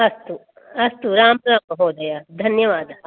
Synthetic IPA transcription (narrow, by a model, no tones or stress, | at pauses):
ɐst̪u | ɐst̪uɾaːmpɾə̃mɦoːd̪ejaːd̪ʱɐnjəʋaːd̪